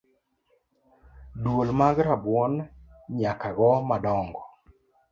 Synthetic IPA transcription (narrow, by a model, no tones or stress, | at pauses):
dwolmaɡɾabwɔnɲakaɡɔmadɔŋɡɔ